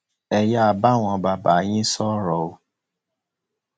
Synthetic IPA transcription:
ɛ˨ja˦a˨ba˦ŋ̃ʷɔ̃˨ba˨ba˨ɲɪ̃˦sɔ˦ɾɔ˨o˦

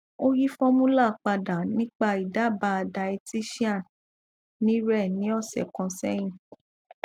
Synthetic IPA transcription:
o˦ji˦fɔ˦mũ˦la˦˨k͡pa˧da˨nĩ˦k͡pa˦˨i˨da˨˦˨ba˧˦a˧da˧i˧ti˦ʃi˦a˦˨ | nĩ˦ɾɛ˦˨nĩ˨˦ɔ˦˨sɛ̰˨kɔ̃˧sɛ˦j̃ĩ˦˨

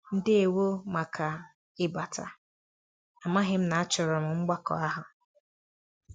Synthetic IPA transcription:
n̩˦dɪ˦e˨wo˦ma˨kʰa˨ | ɪ˨ba˨tʰa̰˨ | a˨ma˦ɦɪ˦m̩˦na˨a˦t͡ʃɔ˨ɾɔ˨m̩˨ŋ͡m̩˦ɡ͡ba˦kɔ̰˨a˦ɦʊ˨

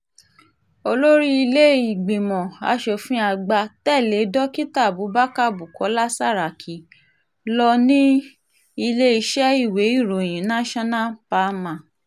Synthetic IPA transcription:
o˧lo˦ɾi˦i˧le˦i˨ɡ͡be˨mɔ̃˨a̰˧ʃɔ˨fũ˦a˧ɡ͡ba˧tɛ˦˨le˨˦dɔ˦ki˦ta˦˨bu˨˦ba˦ka˦˨bu˨kɔ˨˦la˦sa˦˨ɾa˨kʰi˨˦ | lɔ˧nĩ˦ | i˧le˦i˧ʃɛ˦i˦˨we˨˦i˦˨ɾo˨j̃ĩ˨˦nã˦ʃɔ˦nã˦˨pa˨˦mã˨

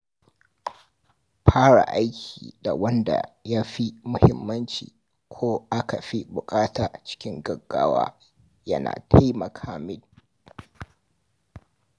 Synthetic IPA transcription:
ɸʰaː˦ɽa̰˨ʔa˦jkʲʰiː˨da˨wɐ˦nda̰˨ja˦ɸi˦mʊ˦hɪ˦mːɐ˦nt͡ʃḭː˨ | kʷʰoː˦ʔa˦ka˨ɸi˦bʊ˨kʼaː˦taː˨t͡ʃɪ̥˦kʲɪ˦ŋɡɐ˨ɡːa̰ː˦wa̰ː˦ | jɐ̰˦na̰ː˨tʰa˦jmɐ˨kʰaː˨mɪ˦l

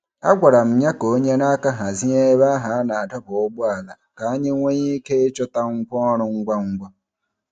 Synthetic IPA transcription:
a̰˦ɡʷa˨ɾa˨m̩˨ɲa˦ko˨˦ɲa˦na˦ka˦ɦa˨zi˦e˦βa˦ɦa˨˦na˨ta˦ko˨˦bwaː˨la˨ka˦ɲe˦ŋwe˦ji˦ke˦t͡ʃo˦t̪a˦ŋ˦kʷɔː˦no˦ŋ˦ɡwa˦ŋ˦ɡwa˦

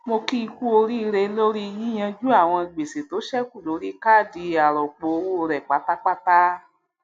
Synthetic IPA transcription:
mo˧ki˦i˧ku˦o˧ɾi˦i˧ɾe˧˦lo˦ɾi˦˧jĩ˦j̃ã˧d͡ʒu˦a˦˨w̃ɔ̃˧i˨ɡ͡be˨se˨to˨˦ʃɛ˦ku˦˨lo˨˦ɾi˦ka˦˨di˧a˨ɾɔ˨k͡po˨˧wo˦˧ɾɛ˨k͡pa˨˦ta˦k͡pa˦ta˦

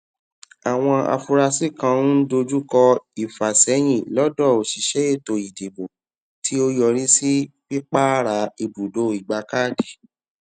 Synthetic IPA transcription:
a˨w̃ɔ̃˧a̰˧fu˧ɾa˧si˦˨kã˧n̩˦do˧d͡ʒu˦kɔ˧i˨fa˨sɛ˨˦j̃ĩ˦˨lɔ˦dɔ˦˨o˨ʃi˨ʃɛ˦e˦˨to˧˨i˨di˨bo˨ | tʰi˨˦o˦jɔ˧˨ɾ̃ĩ˦si˦fi˦k͡pa˦ɾa˨˦i˧bu˨do˨˦˨i˨ɡ͡ba˧kaː˦˨di˨

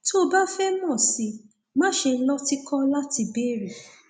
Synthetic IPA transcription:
tʰo˦ba˦fɛ˦mɔ̃˦˨si˧ | mã˦ʃe˧˦lɔ˦ti˦kʰɔ̃˦la˦ti˧be˦˨ɾi˨

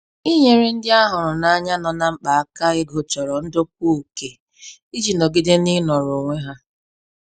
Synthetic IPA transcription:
i˦ɲe˦ɾe˦n̩˦dɪ˦a˦ɦʊ˨ɾʊ˨na˦ɲa˦nɔ˨na˦ŋ͡m̩˦k͡pa˨a˨ka˦ɪ˦ɡo˨t͡ʃɔ˨ɾɔ˨n̩˦dʊ˦k̚u˦˨ke˨ | i˦d͡ʒi˨no˨ɡi˦de˦ni˦nɔ˨ɾo˨ŋʷe˦ɦa˦

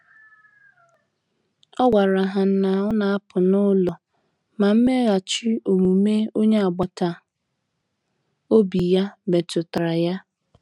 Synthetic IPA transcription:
ɔ˦ɡʷa˨ɾa˨ɦa˨n̩˦na˨ɔ˦na˨a˦pʰʊ˨nʊ˦lɔ˨ | ma˨m̩˦me˦ɣa˨t͡ʃi˦o˨mu˨me˦o˦ɲe˦a˨ɡ͡ba˨ta˨ | o˦bi˨ja˦me˨tʊ˨ta˨ɾa˨ja˦

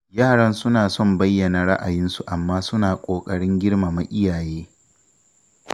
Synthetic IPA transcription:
jaː˦˨ɽɐ˦nsʊ˦naː˨sɔ˦˨mbɐ˦jːɐ˨na˨ɽa˦ʔa˨jɪ˦nsu˨ʔa˨mːaː˦sʊ˦naː˨kʷʼoː˨kʼɐ˦ɽɪ˦ŋɡʲɪ˦ɽma˨ma˨ʔɪ˦jaː˨jeː˦

